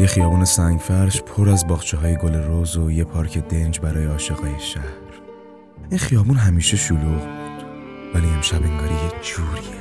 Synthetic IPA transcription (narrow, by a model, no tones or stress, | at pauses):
jexijɒːbuːne̞sæŋɟfæɾʃpʰoɾæzbɒːɣt͡ʃʰeɦɒːjeɡole̞ɾozojepʰɒːɾcʰe̞d̪e̞nd͡ʒbæɾɒːjeɒːʃeɣɒːjeʃæhɾ | ʔinχijɒːbuːnɦæmiːʃe̞ʃoluːʁbud̪̥væliemʃæbeŋɡɒːɾijed͡ʒuːɾie